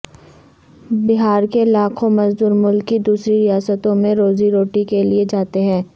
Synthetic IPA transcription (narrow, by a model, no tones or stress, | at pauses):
bɪɦaːɾkelaːkʰõmɐzd̪uːɾmʊlkːid̪uːsɾiɾɪjaːsət̪õmẽɾoːziɾoːʈikelied͡ʒaːt̪eɦɛ̃ː